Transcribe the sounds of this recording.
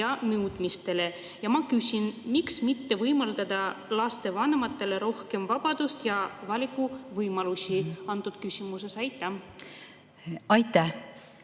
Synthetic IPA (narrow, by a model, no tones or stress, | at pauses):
ɑnɤwd̪̥mist̪e̞le̞ | jɑmɑkysʲinmiksmit̪ːe̞vɤjmɑld̪ɑd̪̥ɑlɑst̪e̞vɑne̞mɑt̪ːˑe̞le̞ɾo̞hke̞mvɑb̥ɑd̪̥ust̪jɑvɑlʲikːˑuvɤjmɑlusʲiɑnt̪ud̪̥̚kysʲimuse̞sɑjt̪ˑːɑm | ɑjt̪ˑæh